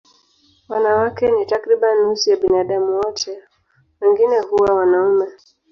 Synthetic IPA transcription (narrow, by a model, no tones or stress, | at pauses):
wanawakɛnitakɾiɓanːusijaɓinaɗamuwɔtʰɛ | wɛŋɡinɛhuwawanaumɛ